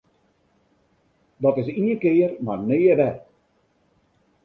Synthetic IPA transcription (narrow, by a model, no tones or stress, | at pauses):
dɔtɪs̬iəkɪːərmarneːəʋɛ